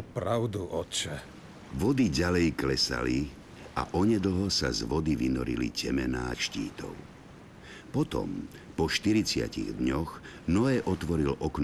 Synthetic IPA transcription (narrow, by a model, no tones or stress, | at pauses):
pɾaʊd̪uʔɔt͡ʃɛ | ʋɔd̪iɟalɛjklɛsa̰li | a̰ʔɔɲɛd̪l̩ɦɔsazʋɔd̪iʋinɔ̰ɾḭlḭcɛmɛnaːʃciːt̪ɔ̰ʊ | pɔt̪ɔ̰m | pɔʃt̪iɾit͡sɪa̰ciɣd̪ɲɔx | nɔɛːʔɔt̪ʋɔɾilʔɔkn